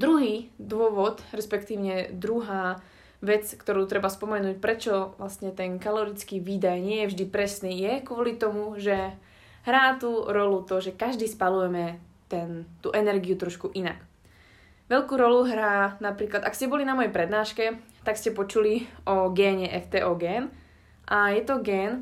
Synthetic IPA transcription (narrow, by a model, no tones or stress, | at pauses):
d̪ɾuɦiːd̪ʊɔʋɔt̪ɾɛspɛkt̪iːʊɲɛd̪ɾuɦaː | ʋɛt͡skt̪ɔɾuːt̪ɾɛbaspɔmɛnuːc̚pɾɛt͡ʃɔʋlasɲɛt̪ɛnkalɔɾit͡skiːʋiːd̪ajɲɪɛjɛvʒd̪ipɾɛsniːjɛkʊɔlit̪ɔmuʒɛ | ɦɾaːt̪uːɾɔlut̪ɔʒɛkaʒd̪iːspalujɛmɛ | t̪ɛnt̪uʔɛnɛɾɡijut̪ɾɔʃkuʔinak | ʋɛʎkuːɾɔluɦɾaːnapɾiːklad̪akscɛbɔlinamɔjɛpɾɛd̪naːʃkɛ | t̪akscɛpɔt͡ʃuliʔɔɡɛːɲɛʔɛft̪ɛːʔɔːɡɛːn | ʔajɛt̪ɔɡɛːn